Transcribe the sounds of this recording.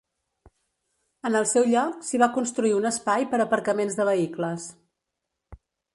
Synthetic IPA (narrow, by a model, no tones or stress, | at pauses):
ənəlˠsɛwʎɔksiβ̞akunst̪ɾuiunəspajpəɾəpəɾkəmenzðəβəikləs